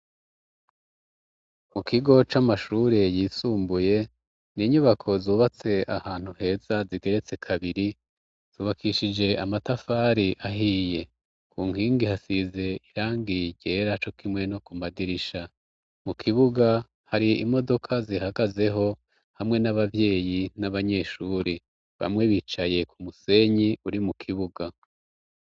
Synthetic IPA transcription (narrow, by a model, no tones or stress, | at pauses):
mukiɡo̞t͡ʃamaʃuːɾejiːsuːmbuje̞ | niɲuβakʰo̞zuːβat͡se̞ʔahaːn̥huhe̞ːzaziɡe̞ɾe̞t͡se̞kʰaβiɾi | z̥uːβakʰiʃid͡ʒe̞amatafaːɾiʔaɦije̞ | kuːŋ̥hiːŋɡihasize̞iɾaːŋɡiɟe̞ːɾat͡ʃo̞kimŋe̞no̞kumadiɾiʃa | mukʰiβuɡa | haɾiḭmo̞do̞kʰazihaɡaze̞ɦo̞ | hamŋe̞naβavje̞ːjinaβaɲe̞ːʃuːɾi | βa̰mŋeβit͡ʃaje̞kʰumuse̞ɲiuɾimukʰiβuɡa